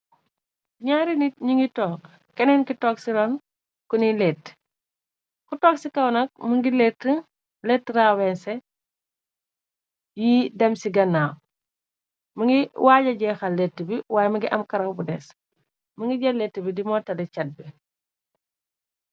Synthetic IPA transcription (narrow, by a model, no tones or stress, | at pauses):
ɲaːɾiniɲiŋɡitɔːk | kɛnɛnkitɔːksiɾɔn | kunilɛtː | kutɔːksikɐwnɐk̚muŋɡilɛtːə | lɛtːɾaːwɛnsɛ | jidɛmsiɡɐnːaː | mɐŋɡiwaːɟɐɟɛːxɐlːɛtːibiwaːjmɐŋɡiʔɐmkɐɾɐwbudɛs | məŋɡiɟɐletːəbidimɔːtɐlɛt͡ʃɐt̚bi